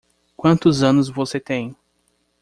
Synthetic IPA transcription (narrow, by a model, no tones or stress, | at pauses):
kʷwɐ̃nt̪ʊzɐ̃nʊzvoset̪ẽj̃